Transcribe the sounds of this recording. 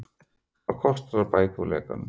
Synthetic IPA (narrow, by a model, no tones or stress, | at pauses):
akʰɔst̪aɾapajkulɛ̰ːka̰n